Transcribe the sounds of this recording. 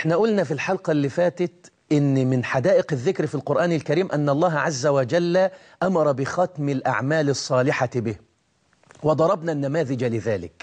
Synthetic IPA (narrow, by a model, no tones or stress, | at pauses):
ʔʔɪħnaʔʊlnafilħɑlqɑlːifaːt̪t̪ | ʔɪnːmɪnħad̪aːʔɪqɪðːɪkɾfilqʊɾʔaːnɪlkaɾiːmʔanːɑlˤːɑːɦʕazːawad͡ʒalː | ʔamɑɾˤɑbɪxɑt̪mɪlʔa̰ʕmaːlɨsˤːɑːlɪħabɪh | wɑd̪ˤɑɾˤɑbnanːamaːðɪd͡ʒalɪðaːlɪ̰k